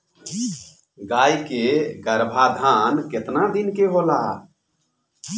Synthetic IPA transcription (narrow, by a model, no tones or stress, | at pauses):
ɡajkeɡəɾbʱad̪ʱanket̪nad̪inkeɦola